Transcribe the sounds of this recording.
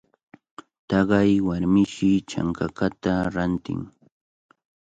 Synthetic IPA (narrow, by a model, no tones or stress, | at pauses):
t̪ɑɢɑjwaɾmɪʃɪt͡ʃa̰ŋkakat̪aɾant̪ɪ̰ŋ